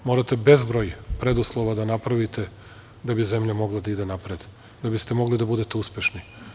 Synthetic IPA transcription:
mo̞ːɾat̪e̞be̞zbɾo̞jpɾe̞d̪uslˠo̞ʋad̪anapɾaʋit̪e̞ | d̪abize̞mʎamo̞ɡlad̪aid̪e̞napɾed̪ | d̪abist̪e̞mo̞ɡlid̪abud̪e̞t̪e̞uspʲje̞ʃni

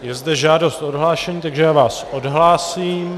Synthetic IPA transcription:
jɛzdɛʒaːdo̞st̪odɦlaːʃɛɲiːt̪aɡʒɛjaːvaːsʔodɦlaːsiːm

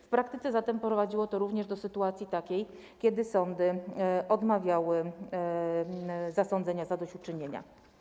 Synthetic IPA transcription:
fpɾakt̪ɘt̪sɛzat̪ɛmpɔpɾɔvad͡ʑiwɔt̪ɔɾuvɲɛʐd̪ɔsɘt̪uat̪sʲjit̪akʲej | kʲɛd̪ɘsɔnd̪ɘʔɔd̪mavʲjawɘ | zasɔnd̪zɛɲazad̪ɔɕt͡ɕut͡ʂɘɲeɲa̰

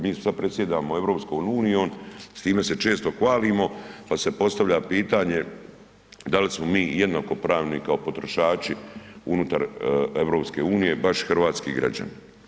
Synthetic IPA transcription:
miːsad̪̚pɾe̞t̪sjed̪aːmoe̞ʋɾo̞ːpskonuːnijo̞ːnst̪iːme̞se̞t͡ʃe̞ːst̪o̞xʋaːlimo̞pase̞po̞st̪aʋʎapiːt̪aɲe̞ | d̪alismomiːjed̪nako̞pɾaːʋnikao̞po̞t̪ɾoʃaːt͡ʃiunut̪aɾeʋɾo̞pske̞uːnije̞baʃxɨrʋaːt̪skiɡɾa̰d͡ʑa̰n

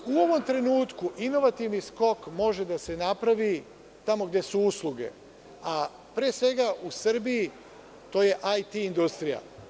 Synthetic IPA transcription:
uo̞ʋo̞mt̪ɾe̞nuːt̪kuʔino̞ʋat̪iʋnisko̞kmo̞ʒe̞d̪ase̞napɾaʋi | t̪amo̞ɡd̪je̞suuslˠuɡe̞̰ | a | pɾeːsʋe̞ɡaʔusr̩bii | t̪o̞ːje̞ʔajt̪iːnd̪ust̪ɾija̰

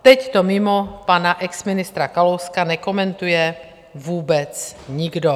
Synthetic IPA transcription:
t̪ɛct̪omɪmopanaʔɛksmɪnɪst̪ɾakalowskanɛkomɛnt̪ujɛ | vuːbɛt͡sɲiɡdo

